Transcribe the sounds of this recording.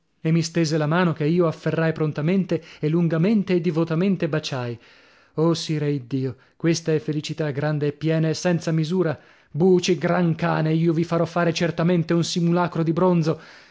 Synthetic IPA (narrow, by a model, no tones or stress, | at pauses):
emːist̪eːzelamaːnokeiːoafːerːajpɾont̪ament̪eelːuŋɡament̪eːd̪ːivot̪ament̪ebat͡ʃaj | osiɾeid̪ːiːo | kwest̪aɛfːelit͡ʃit̪aɡɾand̪eːpːjɛːnaesːɛnt̪samizuːɾa | buːt͡ʃiɡɾaŋkaːneiːovifaɾɔfːaːɾet͡ʃert̪ament̪eunsimulaːkɾod̪ibɾond̪zo